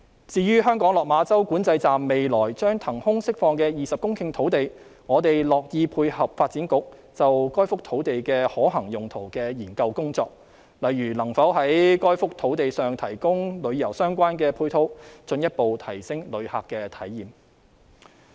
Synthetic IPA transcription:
t͡siː˧ɥyː˥ɦœː˥ŋkɔː˨˥ŋlɔː˨k̚maː˨˧t͡sɐ˥wkuː˨˥nt͡sɐ˧jt͡saː˨mːe˨jlɔː˨˩jt͡ʃœː˥ŋt̪ʰɐ˨˩ŋhʊ˥ŋsɪ˥k̚fɔː˧ŋkɛː˧jiː˨sɐ˨p̚kʊ˥ŋkʰɪ˧ŋt̪ʰo˨˥wt̪e˨j | ŋɔː˨˧t̪e˨jlɔː˨k̚jiː˧pʰuː˧jhɐ˨p̚faː˧t̚t͡siː˨˥nkʊ˨˥k̚ | t͡sɐ˨wkɔː˥jfʊ˥k̚t̪ʰo˨˥wt̪e˨jkɛː˧hɔː˨˥ɦɐ˨˩ŋjʊ˨˩ŋt̪ʰo˨˩wkɛː˧jiː˨˩nkɐ˧wkʊ˥ŋt͡sɔː˧k̚ | lɐ˨jɥyː˨˩lɐ˨˩ŋfɐ˨˥wɦɐ˨˥jkɔː˥jfʊ˥k̚t̪ʰo˨˥wt̪e˨jsœː˨ŋt̪ʰɐ˨˩jkʊ˥ŋlɵ˨˧ɥjɐ˨˩wsœː˥ŋkʷaː˥nkɛː˧pʰuː˧jt̪ʰo˨˥wt͡sɵ˧njɐ˥t̚po˨˧wt̪ʰɐ˨˩jsɪ˥ŋlɵ˨˧ɥha̰ː˨kːɛː˧t̪ʰɐ˨˥jːiː˨m

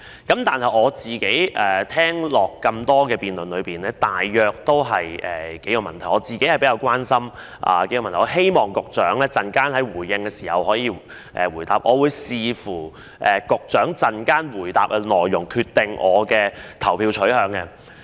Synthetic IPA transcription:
kɐ˨˥mt̪aː˨nɦɐ˨jɔː˨˧t͡siː˨ke˨˥jʔɛ˨t̪ʰɛː˥ŋlɔː˨˩kːɐ˧mt̪ɔː˥kɛː˧piː˨˧nlɵ˨nlɵ˨˧ɥpiː˨˩nlɛː˥t̪aː˨jːœː˨˧k̚t̪o˥wɦɐ˨jɛː˨˩ke˨˥jɔː˨˧mɐ˨˩nt̪ʰɐ˨˩jɔː˨˧t͡siː˨ke˥jɐ˨jpe˨˥jɐ˧wkwaː˥nsɐ˥m | ʔa̰ː˨˩ke˧˥jɔː˥˧m˨˩t̪ʰɔ˧ɦe˥jmɔː˨˩ŋkʊ˨k̚t͡ʃœː˨˥ŋlɛː˥t͡sɐ˨nkaː˥nhɐ˨˥jwuː˨˩jːɪ˧ŋkɛː˧siː˨˩hɐ˨whɔː˨˥jiː˨˧ | ʔɛ̰ː˨wu˨˩jt̪a̰ː˨p̚ʔɔː˨˧wuː˨˧jsiː˨fuː˨˩ | ʔɛː˨˩kʊ˨k̚t͡ʃœː˨˥ŋt͡sɐ˨˩nkaː˥nwuː˨˩jt̪aː˨p̚ɛ˧lɔː˨jːʊ˨˩ŋkʰyː˧t̚t̪ɪ˨ŋʔɔ̰ː˨˧kɛː˧t̪ʰɐ˨˩wpʰiː˧wt͡ʃʰɵ˨˥ɦœː˨˧ŋkɛ˧

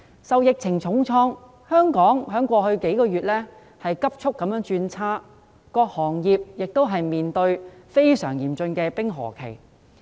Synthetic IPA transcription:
sɐ˨wjɪ˨k̚t͡sʰɪ˨˩ŋt͡sʰʊ˨˥ŋt͡sʰɔː˥ŋ | hœː˥ŋkɔː˨˥ŋɦœː˨˥ŋkʷɔː˧hɵ˧ɥke˨˥jkɔː˧jyː˨t̚lɛː˥ | hɐ˨jkɐ˥p̚t͡ʃʰʊ˥k̚ːɐ˨˧˥mjœː˨˥ŋt͡ʃyː˧nt͡sʰaː˥ | kɔː˧k̚hɔː˨˩ŋjiː˨p̚jɪ˨k̚t̪o˥wɦɐ˨jmiː˨nt̪ɵ˧ɥfe˥jsœ̰ː˨˩ŋjiː˨˩mt͡ʃɵ˧nkɛː˧pɪ˥ŋɦɔ̰ː˨˩kʰḛ˨˩j

